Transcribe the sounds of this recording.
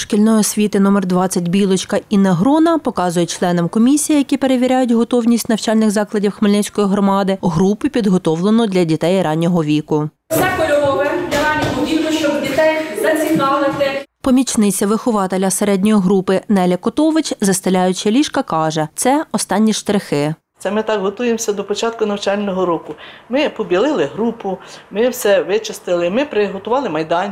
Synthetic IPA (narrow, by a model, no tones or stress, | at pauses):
ʃkʲilʲnɔjɔsʲʋʲit̪ɪnɔmɛrd̪ʋɑt͡sʲːɐtʲbʲilˠɔt͡ʃkɐinɐɦɾɔnɐpɔkɑzʊjɛt͡ʃlˠɛnɔmkɔmʲisʲijijɐkʲipe̞ɾeʋʲiɾʲajʊtʲɦɔt̪ɔwnʲisʲtʲnɐwt͡ʃɑlʲnɪxzɑklˠɐdʲiwxmeɪlʲnɪt͡sʲkɔjiɦɾɔmɑd̪ɪɦɾupɪpʲid̪ɦɔt̪ɔwlˠenɔd̪lʲɐdʲit̪ɛjrɑnʲːɔɦɔʋʲikʊ | sʲɛkɔlʲɔʋɔɦɐd̪ʲlʲɐɾɑnʲːɔɦɔʋʲik̪ʊʃt͡ʃɔbdʲit̪ɛjzɐt͡sʲikɑlˠɪt̪ɪpɔmʲit͡ʃnɪt͡sʲɐʋɪxʊʋɑt̪elʲɐseɾɛdʲnʲɔjiɦɾupɪnɛlʲɐkɔt̪ɔʋɪt͡ʃʲzɐst̪ɐlʲɑjʊt͡ʃɪlʲiʃkɐkɑʒɛt̪sɛɔst̪ɑnʲːiʃt̪ɾexɪ | tsɛmɪt̪ɑkɦɔt̪ujemsʲɐd̪ɔpɔt͡ʃɑt̪̚kʊnɐwt͡ʃɑlʲnɔɦɔɾɔkʊmɪpɔbʲilˠɪlˠɪɦɾupʊmɪwsɛʋɪt͡ʃɪst̪ɪlˠɪmɪpɾɪɦɔt̪ʊʋɑlˠɪmɐjd̪ɑnʲ